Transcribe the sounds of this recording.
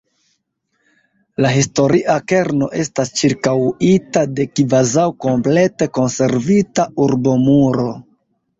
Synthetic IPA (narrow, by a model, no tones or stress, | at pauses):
laɦisto̞ɾiʔake̞ɾno̞̰ʔe̞stast͡ʃiɾkawitade̞kivazawko̞mple̞te̞ko̞nse̞ɾvitauɾbo̞muɾo̞